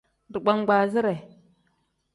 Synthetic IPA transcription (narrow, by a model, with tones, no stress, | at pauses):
di˨ɡ͡ba˦ŋ˦ɡʷa˨zi˦ɾe˨